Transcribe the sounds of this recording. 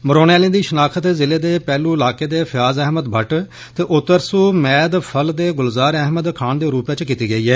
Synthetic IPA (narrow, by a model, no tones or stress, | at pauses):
məɾoːnaːlĩːd̪iːʃənaːkʰət̪zɪleːd̪eːpɛːluːɪlaːkeːd̪eːpʰjaːzɛːməd̪bʱəʈ | t̪eːʔʊt̪ːəɾsuːmɛːd̪pʰəld̪eːɡʊlzaːɾɛɦməd̪kʰaːɳd̪eːɾuːpjãːt͡ʃkiːt̪iːɡəiːɛː